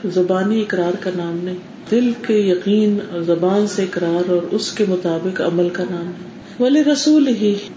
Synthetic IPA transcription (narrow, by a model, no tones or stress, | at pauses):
zɐbaːniɪkɾaːɾkanaːmnɐɦĩ | d̪ɪlkejɐqiːnzɐbaːnseɪkɾaːɾɔːɾʊskemʊt̪aːbɪqɐ̰məlkanaːmɦɛ̃ | ʋɐlɪɾɐsuːlɦi